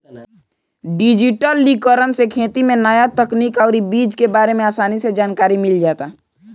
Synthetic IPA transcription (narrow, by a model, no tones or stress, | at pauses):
ɖɪd͡ʒɪʈəlːikəɾənsekʰeːt̪imẽnəjat̪əkniːkɔʊɾibiːd͡ʒkebaːɾemẽaːsaːnised͡ʒaːnkaːɾimɪld͡ʒaːt̪a